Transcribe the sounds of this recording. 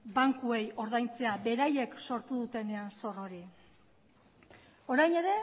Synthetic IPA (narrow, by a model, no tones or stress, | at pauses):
baŋkue̞jo̞ɾð̞ajnt͡se̞abe̞ɾaje̞kso̞ɾt̪uðut̪e̞ne̞anso̞ro̞ɾi | o̞ɾajne̞ɾe̞